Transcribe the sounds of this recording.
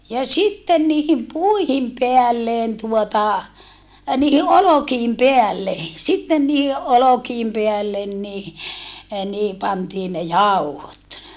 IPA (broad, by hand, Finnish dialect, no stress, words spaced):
jɑ sitːen niːhim puihim peælːen tuotɑ niːhi ʔolokiːm peælːe sitːen niːhi ʔolokiːm peælːen ni niːhi pɑntiː ne jɑuhot